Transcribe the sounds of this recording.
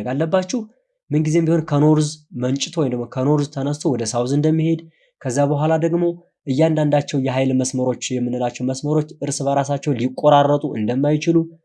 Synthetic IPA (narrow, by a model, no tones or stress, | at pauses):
ɡalːəbːat͡ʃːɪh | mɨnɡize̞mbiho̞nkʰəno̞ɾzmənt͡ʃʼɪt̪ʰowɔjnd̪əɡmokʰəno̞ɾzt̪ʰənəst̪ʰo̞wɔd̪əsawzɨnd̪əmːihe̞d̪ | kʰəzːabəɦʷalad̪əɡmo̞ | ʔɨjːand̪and̪at͡ʃːɛwjɛɦajlməsməɾo̞t͡ʃːjɛmːɨnɨlat͡ʃːɛwməsməɾo̞t͡ʃːʔɨɾsɨβəɾasat͡ʃːɛwlikʼːoɾarːət̪ʼuʔɨ̰nd̪əmːajt͡ʃɪlu